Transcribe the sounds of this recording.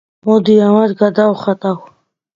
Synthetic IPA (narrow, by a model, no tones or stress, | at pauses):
mod̪ijawaɾɡad̪awχat̪aw